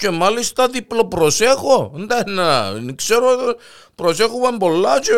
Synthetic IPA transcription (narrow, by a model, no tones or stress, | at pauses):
ce̞malist̪ɐðiplo̞pɾose̞xond̪ɐnanikseɾo | pɾosexovɐmbo̞lːɐt͡ʃe